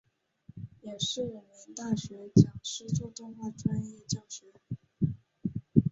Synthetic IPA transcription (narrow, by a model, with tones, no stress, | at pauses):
jɛ˨˩ʂɻ̩˥˩wu˨˩mə˧˥nt̪a˥˩ɕɥɛ˧˥t͡ɕjɑ˨˩ŋʂɻ̩˥t͡su˥˧t̪ʊ˥˧ŋxwa˥˩ʈ͡ʂʰwa˥njɛ˥˧t͡ɕjɑ˥˩ŋɕɥɛ˧˥